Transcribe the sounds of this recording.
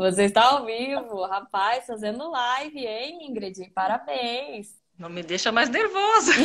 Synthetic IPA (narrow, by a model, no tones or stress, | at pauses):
voseɪst̪aawvivʊhapajsfazẽnd̪ʊlajvɪẽj̃ĩɡɾed͡ʒĩpaɾabẽj̃s | nɐ̃w̃mɪd̪ejʃɐmajzneɾvozɐ